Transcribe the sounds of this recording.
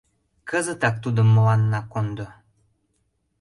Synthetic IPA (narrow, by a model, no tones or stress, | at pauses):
kəzət̪ɑk̚t̪ud̪ə̆mːə̆lɑnːɑkond̪o